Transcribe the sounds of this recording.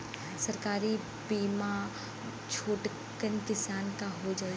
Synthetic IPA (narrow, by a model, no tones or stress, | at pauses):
sɐɾkaːɾi | biːma | t͡ʃʰoːʈ | kənkɪsaːnkaɦod͡ʒaː